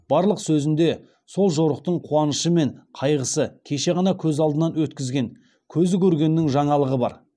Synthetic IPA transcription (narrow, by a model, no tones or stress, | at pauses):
b̥ɑɾlˠəqsɵzɪnd̪e | so̞lˠʒo̞ɾəq̚t̪əɴqʰuɑnəʃəme̞ɴqʰɑjʁəsəkʲʰe̞ʃe̞ʁɑnɑkʲʰɵzɑlˠd̪ənɑnwɵt̪kʲɪzɡʲe̞ŋ | kʲʰɵzɪkʲʰɵɾɡʲe̞nːɪŋʒɑɴɑlˠəʁəbɑɾ